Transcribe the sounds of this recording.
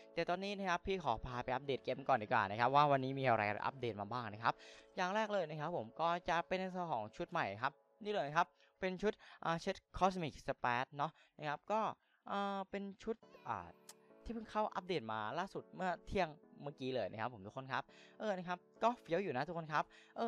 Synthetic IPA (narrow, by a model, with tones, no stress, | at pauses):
t̪ɛː˨˩t̪ɔː˧nːiː˦˥na˦˥kʰa˦˥pʰːiː˥˩kʰɔː˩˦pʰaː˧˩pa˧jʔa˦˥p̚deː˨˩t̪̚ke˧mkɔː˨˩ndiː˨˩kwa̰ː˨˩na˦˥kʰa˦˥p̚waː˥˩wa˧nːiː˦˥miː˧ʔa˧ɾa˧jʔʔa̰˦˥p̚deː˨˩t̪̚maː˧baː˥˩ŋna˦˥kʰa˦˥p̚jaː˨˩ŋɾɛː˥˩k̚lɤː˧jna˦˥kʰa˦˥pʰːo˩˦mkɔː˥˩t͡ɕa˨˩pe˧na˧ŋsʰa˧kʰɔ̰ː˩˦ŋt͡ɕʰu˦˥t̪̚ma˨˩jkʰa˦˥p̚ | niː˥˩ləː˧jna˦˥kʰa˦˥p̚ːe˧nt͡ɕʰu˦˥t̪̚ʔaː˨˧˩t͡ɕʰe˦˥t̪̚kʰɔ˦˥smi˨˩k̚sa˧pɛː˦˥t̪̚nɔ˦˥ | nna˦˥kʰa˦˥p̚kɔː˥˩ | ʔaː˧˩pe˧nt͡ɕʰu˦˥t̪̚ʔa̰ː˨˩t̪ʰiː˥˩pʰɯ˧˥˩ŋkʰa˥˩wʔa̰˦˥p̚deː˨˩t̪̚maː˧laː˥˩su˨˩t̪̚mɯ˥˩ɐt̪ʰi˥˩əŋmaː˥˩kiː˦˥lɤː˧jna˦˥kʰa˦˥pʰːo˩˦mt̪u˦˥kʰo˧nkʰa˦˥p̚ʔɤː˧na˦˥kʰa˦˥p̚kɔː˥˩fi˦˥əwjuː˨˩na˦˥u˦˥kʰo˧nkʰa˦˥p̚ʔɤː˧